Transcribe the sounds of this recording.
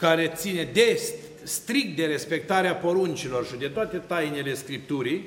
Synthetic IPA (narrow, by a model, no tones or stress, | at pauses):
kaɾe̞t̪sine̞d̪est̪ | st̪ɾik̚t̪̚d̪e̞ɾe̞spe̞k̚t̪aɾeapo̞ɾunt͡ʃilo̞rʃid̪e̞t̪oat̪e̞t̪ajnele̞skɾip̚t̪uɾij